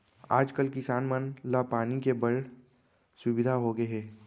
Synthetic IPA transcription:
a̰ːd͡ʒkəlkɪsaːnmənlapaːnikebɐɽ | sʊbɪd̪ʱaɦoɡeɦɛː

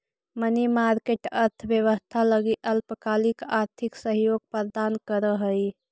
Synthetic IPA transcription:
mənimaɾkeʈəɾt̪ʰbjəʋəst̪ʰaləɡiʔəlpəkalikaɾt̪ʰiksəɦjoɡ̚pəɾd̪ankəɾəɦəj

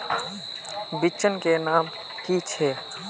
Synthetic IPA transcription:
bit͡ʃənkenam | kit͡ʃʰɛ

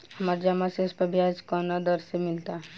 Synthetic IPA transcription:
ɐmaɾd͡ʒamaseʊspəɾbʱjad͡ʒkɔnad̪ɔɾsemɪlt̪aɦ

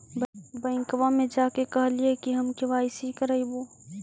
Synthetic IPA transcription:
bɐ̃ŋkʋamẽd͡ʒaːkekɐɦliekiɦɐmkeʋaːɪsikəɾəiboː

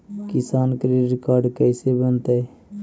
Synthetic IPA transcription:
kɪsaːnkɾiɾɪkaːɾɖkɛːsebənt̪e

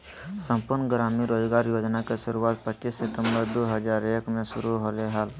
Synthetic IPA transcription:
sə̃mpʊɾnəɡɾaːmiɾoːd͡ʒɡaːɾjoːd͡ʒnakeʃʊɾuaːt̪̚pətːt͡ʃiːsːɪt̪ə̃mbəɾd̪oːɦəd͡ʒaːɾeːkmẽsʊɾuɦoleɦaːl

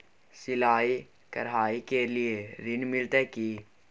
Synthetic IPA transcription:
sɪlaːi | kɐ̰ɾɦaːikelieɾɪnmɪlt̪əkiː

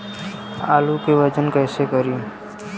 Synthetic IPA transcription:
aːlukeʋət͡ʃənkɛːsekəɾi

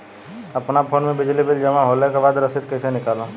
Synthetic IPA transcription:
ɐpnapʰoːnmẽbɪd͡ʒlibɪld͡ʒɐmãɦoːlekebaːd̪ɾɐsɪd̪̚kɐɪsenɪkaːlõ

